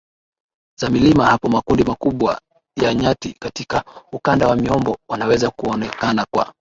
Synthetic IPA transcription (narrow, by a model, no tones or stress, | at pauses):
z̥amilimahapɔmakundimakuɓwa̰ | jaɲatikatikaukandawamiɔmbɔwanawɛzakuɔnɛkanakwa̰